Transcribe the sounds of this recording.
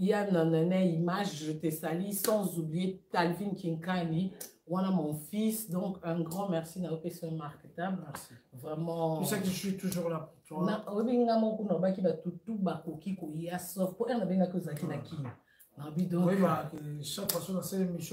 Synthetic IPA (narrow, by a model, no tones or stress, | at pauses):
ijanãnɛnɛimaʒʒøtesalisɑ̃zublijetalvinkiŋkani | wanamɔ̃fisd̪ɔ̃kɛ̃ɡʁɑ̃mɛʁsinajopesɛmaʁketabvʁɛmɑ̃sakiswit̪uʒuʁlaput̪anaoobiŋɡamɔ̃kunaobakibatutubakokikojasɔfpoʔɛ̃nabeŋɡakiozalakinakʰina | naobidɔ̃akʃakfasɔ̃nasɛlemis